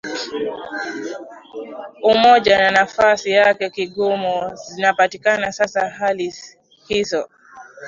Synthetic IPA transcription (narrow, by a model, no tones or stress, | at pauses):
umɔʄananafasijakɛkiɠɔmɔzinapatikanasasaɦali | hizɔ